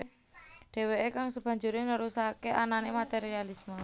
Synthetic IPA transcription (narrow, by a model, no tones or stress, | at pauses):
ɖ̥e̤weekaŋsəb̥ä̤ɲd͡ʒuɾɪnəɾusakeʔananemat̪eɾialismə